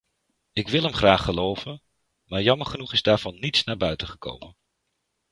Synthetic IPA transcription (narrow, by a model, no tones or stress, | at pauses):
ɪkʋɪlˠɦəmχraːχːəlowvən | maːɹjɑməɹχənuχɪzdaːɹv̥ɑnːitsnaːɹbœɥtəχəko̰wmən